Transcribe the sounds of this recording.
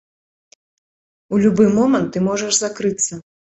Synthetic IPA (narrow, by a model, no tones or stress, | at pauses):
ulʲubɨmɔmɐnt̪ːɨmɔʐɐʐzakɾɨt̪sːɐ